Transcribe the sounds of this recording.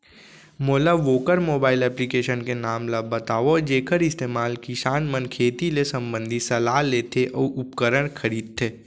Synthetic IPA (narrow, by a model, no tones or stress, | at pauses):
moːlaʋoːkəɾmoːbaːɪlɛːplikeːʃənkenaːmlabɐt̪aːʋod͡ʒeːkʰəɾɪst̪eːmaːlkiʃaːnmənkʰeːt̪ilesɐ̃mbə̃nd̪ʱisɐlaːɦleːt̪ʰeʔɔːʊpkəɾəɽ̃kʰɐɾiːd̪̚t̪ʰeː